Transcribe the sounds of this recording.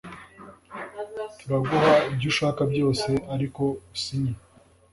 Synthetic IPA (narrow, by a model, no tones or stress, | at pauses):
tuɾaɡuɦaibɟuʃaːkabɟjo̞ːse̞aɾiko̞usiɲe